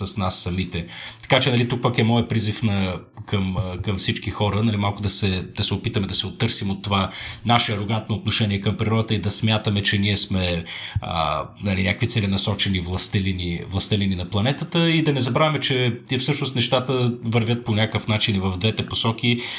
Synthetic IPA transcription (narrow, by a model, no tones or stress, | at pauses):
sɐsnasːɐmit̪ɛt̪ɐ̥kat͡ʃɛnɐlit̪uk̚pəkɛmɔɛpɾizifnɐ | kəmkəmfsit͡ʃkixɔɾənɐlimalˠkʊd̪ɐsɛd̪ɐsɛopit̪əmɛd̪ɐsɛot̪ːɤɾsimot̪ːovanaʃɛɐɾoɡant̪̚noːt̪noʃɛniɛkəmpɾiɾɔd̪ət̪əid̪ɐsmʲjat̪əmɛt͡ʃɛniɛsmɛə̰nɐlinʲakəkvit̪sɛlinɐsɔt͡ʃɛnivlˠɐst̪ɛlinivlˠɐst̪ɛlininɐplˠɐnɛt̪ət̪əid̪ɐnɛzɐbɾavɐmɛt͡ʃɛt̪ɛɛfsɤʃnost̪nɛʃt̪at̪əvəɾvʲjət̪̚ponʲakəfnat͡ʃinivəvd̪vɛt̪ɛposɔk̟i